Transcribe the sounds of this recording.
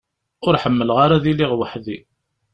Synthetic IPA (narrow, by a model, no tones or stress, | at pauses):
ʊɾħəmːəlʁaɾaðiliʁwəħði